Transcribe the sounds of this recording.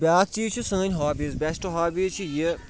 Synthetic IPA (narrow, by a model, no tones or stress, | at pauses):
bʲaːk̪̚t͡ʃiːt͡ʃʰusə̃ːnʲɦaːbizbɛsʈɦaːbizt͡ʃʰiji